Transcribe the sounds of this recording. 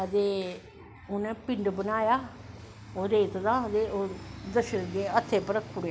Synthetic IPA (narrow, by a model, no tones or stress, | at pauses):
ət̪eː | ʊnɛ̃ːpɪɳɖbənaːjaː | oːɾeːt̪d̪ãːət̪eːʔoːd̪əʃəɾd̪eːət̪ʰːeːpəɾəkʰpʊɽ